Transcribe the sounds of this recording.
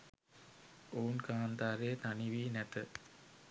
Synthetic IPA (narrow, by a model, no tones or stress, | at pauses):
oːunkaːnd̪aːɾeːt̪aniʋiːnæt̪ə